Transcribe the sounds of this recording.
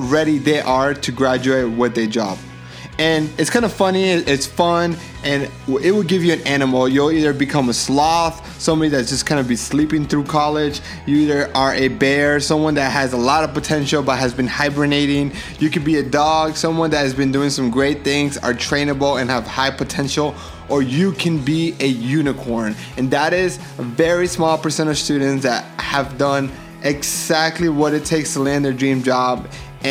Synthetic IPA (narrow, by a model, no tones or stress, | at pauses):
ɹɛɾiðeɪʔə˞ɾɨɡɹæd͡ʒʉeɪt̚wʌt̪̚ðeɪd͡ʒɑ̰b̥̚ | ɨ̃nɨtskʰãɪ̃ndəfʌniɪɪtsfʌ̃n | ʔɨ̃n | ɪt̚wəd̚ɡɪvjɨɨ̃næñəml̩ˠjulˠiðə˞bɨkʰʌ̃məslɔθ | sʌ̃mbɑɾiðɨtsd̥ʒ̥ʌskʰãɪ̃ndɨbislipɪ̃ŋθɹukʰɑlˠɪ̥d͡ʒ | jɨiðə˞ʔə˞ʔɨbɛɹsʌ̃mwʌ̃nðɨt̚ɦɨzəlɔɾʌv̥pɨtʰɛ̃nʃl̩ˠbʌt̚ɦɨzbɨ̃nhaɪbɹɨneɪɾɪ̃ŋ | jɨkɨ̃nbiɨdɔɡ̥sʌ̃mwʌ̃nðɨt̚hɨzbɨ̃ndʉɪ̃ŋsʌ̃mɡɹeɪt̪̚θɪ̃ŋzə̰˞tʰɹ̥ẽɪ̃nəbl̩ˠɨ̃nəv̥haɪpʰɨtʰɛ̃nʃl̩ˠ | ʔə˞jɨkʰɨ̃nbiɨjʉnɨkʰɔɹn | ɨ̃nðəɾɪz | əvɛɹismɔlˠpə˞sɛ̃ɾ̃ʌ̥stʉdⁿn̩tsðɨt̚həvdʌ̃n | ʔɪɡzæk̚tˡliwʌɾɨtʰeɪkstʰəlɛ̃nðə˞dɹĩmd͡ʒɑb | ɨ̃